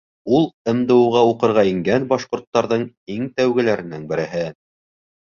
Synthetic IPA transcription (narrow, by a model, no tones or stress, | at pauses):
ulˠɤ̆md̪ɤ̆wʁɑuqɤ̆ɾʁɑiŋɡænbɑʃqŏɾt̪ːɑɾðɤɴ | iŋt̪æwɡɘ̆læɾɘ̆nɘŋbɘ̆ɾɘ̆ɦɘ